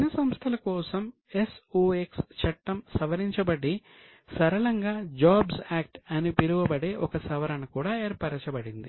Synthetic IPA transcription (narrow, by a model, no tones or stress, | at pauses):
inɐsɐmst̪ʰɐlɐkɔːsɐm | esuːekst͡ʃʰɐʈːɐmsɐʋɐɾiɲt͡ʃɐbɐɽi | sɐɾɐɭɐŋɡaːd͡ʒaːbsaːk̚ʈɐnipiɾuʋɐbɐɽe̞ːʔɔkɐsɐʋɐɾɐnɐkuːɽaːeːɾpaːʈɐt͡ʃɐbɐɽind̪i